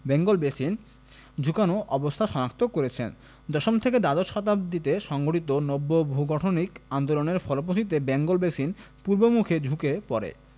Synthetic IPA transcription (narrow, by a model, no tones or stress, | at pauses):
bɛŋɡolbesin | d͡ʑʱukanoʔɔbost̪ʰaʃɔnak̚t̪okoɾet͡ɕʰḛn | d̪ɔʃomt̪ʰeked̪ad̪oʃɔt̪ab̚d̪it̪eʃɔŋɡoʈit̪onobːoboɦuɡɔʈʰonikand̪oloneɾfɔlop̬osʰit̪̬ebɛŋɡolbeʃin | puɾbomukʰed͡ʑʱukepɔɾḛ